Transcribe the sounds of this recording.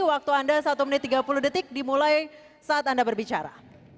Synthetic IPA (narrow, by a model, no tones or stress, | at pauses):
wak̚t̪uandasat̪umənɪt̪ːiɡapuluhdət̪ɪk̚dimulaj | saːt̪andabərbit͡ʃaɾa̰